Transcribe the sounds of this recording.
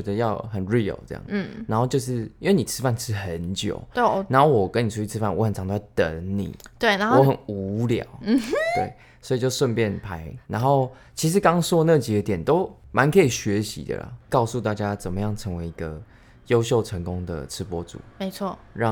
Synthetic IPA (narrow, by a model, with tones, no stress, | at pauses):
ɛ˧˥d̪ə˧jɑ˥˩ʊxə˨˩nɹi˥˩ə̰˨˩lt͡sɤ̰˥˩jɑ̰˥˩ŋ̩˥˩na˧nxo˥˧ʊt͡ɕjo˥˧ʊʂ̬ɻ̩˥˩i˥nwe˥˩ni˨˩t͡sʰɨ˥fa˥˧nt͡sʰɻ̩˥˩xə˧˦nt͡ɕjo̰˨˩ʊna˧˥nxo˥˩ʊwɔ˨kə˦ni˨˩ʈ͡ʂʰu˥t͡ɕy˥˩t͡sʰɻ̩˥˦fa˥˩nwɔ˧˦xə˨˩nʈ͡ʂʰŋt̪o˥˦˩jt̪ə̰˧˦nḭ˨˩t̪we˥˩ɪna˧˦wɔ˧˦˥xə˨˩nu˧˥ljɑ̰˨˩˦ʊ˥˩t̪wḛ˥˩ɪ | swɔ˧˥i˨˩t͡ɕo˥˧ʊʂwə˥˧npjɛ˥˩npʰa˧˥ɪna˧nxo˥˩ʊ | t͡ɕʰi˧˥ʂ̬ɻ̩˧˥kɑ˦˥ŋswɔ˥na˥˩t͡ɕi˨ɡə˦t̪jɛ˨˩nt̪o˥ʊmʔa˧˦nkʰə˧˥i˨˩ɕɥɛ˨˧˦ɕḭ˧˥d̪ə̰˨˩lə̰˩kɑ˥˧ʊsu˥˧t̪̬a˥˩t͡ɕja˦t͡sə˨˩mə˦jɑ˥˩ŋʈ͡ʂʰə˧˥ŋwe˧ɪi˧˥ɡə˧ | jo˥ʊɕ̬jo˥˨˩ʊʈ͡ʂʰə˧˦˥ŋkʊ˦ŋd̪ə̰˨ʈ͡ʂʰɻ̩˥pwɔ˦˥t͡sṵ˨˩˦me˧˦ɪt͡sʰwɔ˥˩ | ɻɑ˥˨